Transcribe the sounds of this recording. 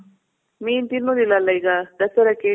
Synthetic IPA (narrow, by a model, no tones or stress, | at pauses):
miːnt̪inːud̪ilːɐlːɐiɡad̪ɐsɐɾɐke